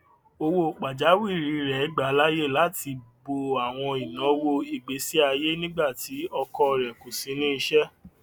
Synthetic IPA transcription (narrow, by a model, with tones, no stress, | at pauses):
o˧wo˧˦˨k͡pa˨d͡ʒa˨˦wi˦˨ɾi˨˦˧ɾɛ˨˦ɡ͡ba˨˦la˦je˦˨la˨˦ti˧bo˧a˨w̃ɔ̃˧i˨nã˨˦wo˧i˨ɡ͡be˨˦si˦a˧je˦nĩ˦ɡ͡ba˦˨ti˨˦ɔ˧kɔ˦˨ɾɛ˨ko˨sĩ˨˧˦nĩ˦i˧ʃɛ˦